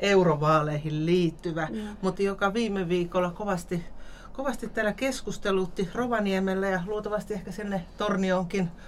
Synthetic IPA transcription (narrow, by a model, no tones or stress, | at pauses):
ʔeuroʋɑːleihilliːt̪ːyʋæmut̪jokɑʋiːmeʋiːkolːɑkoʋɑst̪i | koʋɑst̪it̪tæːlækeskust̪elut̪ːiroʋɑniemelːæjɑluot̪ɑʋɑst̪iehkæsinːet̪ornioŋkin